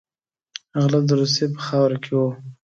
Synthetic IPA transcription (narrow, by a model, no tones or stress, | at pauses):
ɣlat̪̚d̪əɾus̬epə̥xɑwɾakʰewo